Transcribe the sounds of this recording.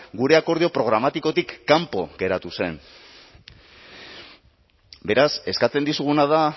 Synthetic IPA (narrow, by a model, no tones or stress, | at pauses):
ɡuɾe̞ako̞ɾðio̞pɾo̞ɣ̞ɾamat̪iko̞t̪ikːampo̞̰ɣe̞ɾat̪use̞n | be̞ɾase̞skat͡se̞nd̪isuɣunaða